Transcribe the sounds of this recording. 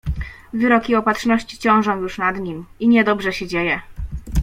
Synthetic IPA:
vɘɾɔkʲiɔpatʂnɔɕt͡ɕi̥t͡ɕɔ̃w̃ʐɔ̃w̃juʂnad̪ɲimiɲɛd̪ɔbʐɛɕɛd͡ʑejɛ

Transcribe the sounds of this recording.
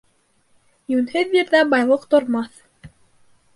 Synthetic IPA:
jʉnhɘðjiɾðæbɑjlˠɤqt̪ŏɾmɑθ

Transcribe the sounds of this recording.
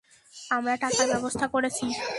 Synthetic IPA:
amɾaʈakaɾbɛbost̪ʰakoɾet͡ɕʰi

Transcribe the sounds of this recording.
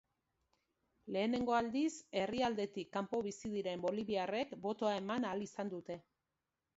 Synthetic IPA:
le̞ːne̞ŋɡo̞ald̪ise̞riald̪e̞t̪ikːampo̞βisið̞iɾe̞mbo̞liβiare̞kbo̞t̪o̞ae̞manalisand̪ut̪e̞

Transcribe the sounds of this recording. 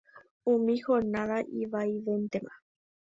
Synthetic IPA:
ũmĩhonãʋaʔiʋajʋent̪emã

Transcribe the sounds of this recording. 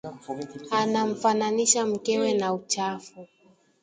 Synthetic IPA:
anam̩fananiʃam̩kɛwɛnaut͡ʃafu

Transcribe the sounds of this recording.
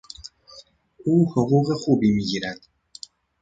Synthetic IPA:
uːhoɣuːɣexuːbimiɟiːɾæd̪̥

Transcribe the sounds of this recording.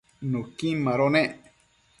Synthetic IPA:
nokĩmãɾoneʔ

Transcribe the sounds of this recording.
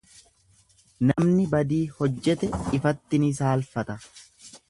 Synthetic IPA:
nɐmnɪbɐd̪iːhɔd͡ʒːɛt̪ɛɪfɐt̪ːɪnɪs̬aːlfɐt̪ɐ

